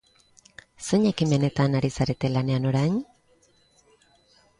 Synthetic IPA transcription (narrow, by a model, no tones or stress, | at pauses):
so̞ɲakimene̞t̪anaɾisaɾe̞t̪e̞lane̞ano̞ɾajɲ